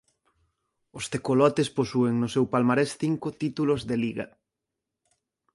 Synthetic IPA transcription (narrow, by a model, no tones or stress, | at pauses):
ost̪ekolɔt̪esposueŋnʊsewpalmaɾesθiŋkot̪it̪ulozðeliɣɐ̰